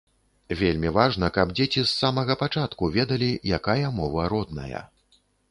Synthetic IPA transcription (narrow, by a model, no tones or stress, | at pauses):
vʲelʲmʲivaʐnɐkɐbd͡zʲet͡sʲisːamɐɣɐpat͡ʂat̪kuvʲɛd̪ɐlʲijakajɐmɔvɐɾɔd̪nɐ̰jɐ̰